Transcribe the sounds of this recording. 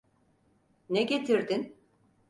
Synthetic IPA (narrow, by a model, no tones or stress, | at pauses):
neɡet̪ʰiɾd̪in